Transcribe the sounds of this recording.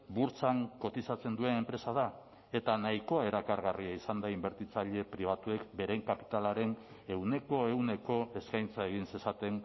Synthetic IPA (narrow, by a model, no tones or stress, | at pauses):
buɾt͡saŋko̞t̪isat͡se̞nd̪ue̞ne̞mpɾe̞sað̞a | e̞t̪anajko̞ae̞ɾakaɾɣariaisand̪aimbe̞ɾt̪it͡saʎe̞pɾiβ̞at̪ue̞kbe̞ɾe̞ŋkapi̥t̪alaɾe̞n | e̞wne̞ko̞e̞wne̞ko̞e̞skajnt͡sae̞ɣinse̞sat̪e̞n